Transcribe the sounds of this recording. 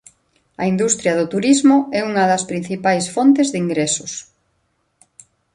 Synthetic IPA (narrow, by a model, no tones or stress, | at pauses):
ɐ̰ind̪ust̪ɾjɐðʊt̪uɾizmʊɛuŋɐðɐspɾin̟θipajsfont̪ezðiŋɡɾɛsʊs